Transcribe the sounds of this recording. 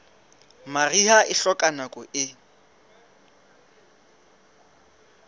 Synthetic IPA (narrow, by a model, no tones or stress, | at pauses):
marihaʔɪɬɔkʼanakʼɔʔɪ